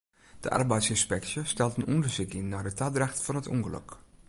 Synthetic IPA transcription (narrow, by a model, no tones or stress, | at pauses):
d̥əʔa̰rbɛjtsɪnspɛksjəstɛlˠtənʔɔndəɹsukinːardətadraxtfɔnətʰɔ̰ŋɡələ̰k